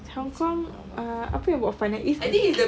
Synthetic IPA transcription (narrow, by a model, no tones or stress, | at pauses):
hɔŋkɔŋ | əa̰pajãŋbaʔfanãʔisi